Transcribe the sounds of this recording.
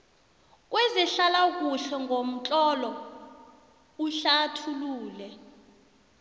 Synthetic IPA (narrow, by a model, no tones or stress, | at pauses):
k̬ʼwɛziɬalak̬ʼuɬɛŋɡʱom̩t͡ɬʼɔlɔ | uɬatʰuluːlɛ